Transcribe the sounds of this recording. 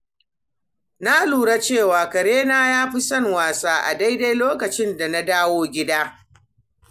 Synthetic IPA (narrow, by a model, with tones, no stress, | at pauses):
na˦luː˨ɽa˦t͡ʃeː˦˨waː˨kɐ˨ɽeː˦naː˦jaː˦ɸi˦sɐ˦˨ŋwaː˨saː˦ʔa̰˨da˦jda˦jloː˦kɐ˨t͡ʃɪ˦nda˨na˦daː˦woː˦ɡʲɪ˦daː˦